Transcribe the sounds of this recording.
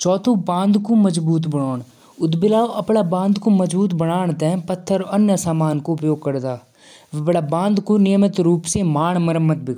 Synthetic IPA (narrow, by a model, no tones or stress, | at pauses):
t͡ʃɔːt̪ʰõbãːnd̪koməzbuːt̪̬bəɽ̃oːɳ | ʊd̪bɪlaːoʔɐpɽaːbãːnd̪koməzbuːt̪bəɽaːɳ̃t̪ɛ̃pət̪ʰːəɾənjəsaːmaːnkoʊpjoːɡ̚kəɾd̪aː | ʋəpɽaːbãːnd̪konɪjəmət̪ɾuːpsemaːɳ̃məɾəmːət̪̚bɪ